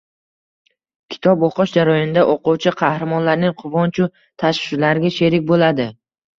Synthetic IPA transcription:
kʲʰɪ̥t̪ʰɒboqɨʃd͡ʒaɾɒjɒnɪd̪aʔoqʊwt͡ʃʰɪqʰɑhɾamɒnlaɾnɪŋqʰʊvɒnt͡ʃʰʊ | t̪ʰaʃʃlaɾɪɡʲaʃe̞ɾɪk̚ʲbolad̪ɪ

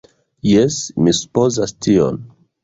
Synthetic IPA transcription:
jesmisu̥po̞zastʰio̰n

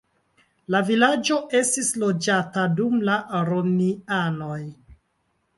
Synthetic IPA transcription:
lavilad͡ʒo̞e̞stislo̞d͡ʒatadumlaɾoniano̞j

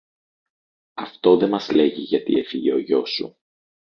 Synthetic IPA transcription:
ɐft̪o̞ðe̞mɐzle̞ʝiʝɐt̪ḭe̞fiʝeo̞ʝo̞sṵ

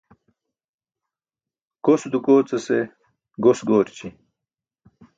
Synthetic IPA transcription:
kosd̪ukoːt͡sɐse | ɡosɡoːɾt͡ɕi

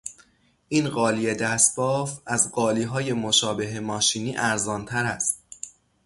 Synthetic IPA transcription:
ʔiːnɢɒːlije̞d̪æsbɒːfæzɢɒːliːɦɒːje̞moʃɒːbe̞ɦemɒːʃiːniːʔæɾzɒːnt̪ʰæɾæst̪

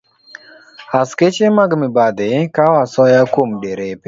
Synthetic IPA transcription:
asket͡ʃemaɡmɪbad̪ɪkawasɔjakomɖeɾep

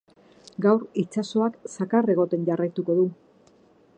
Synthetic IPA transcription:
ɡawɾit͡ʃaso̞aksakare̞ɣ̞o̞t̪e̞nɟarajt̪uko̞ðu

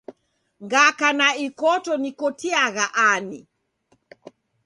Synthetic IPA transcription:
ŋɡakanaikɔtɔnikɔtiaɣaʔani

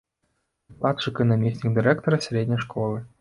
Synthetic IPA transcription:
pat̪ʂɨkɨnɐmʲisʲnʲik̚d̪ɨɾʲɛkt̪ɔɾɐsʲɾʲedʲnʲɐʂkolˠɨ

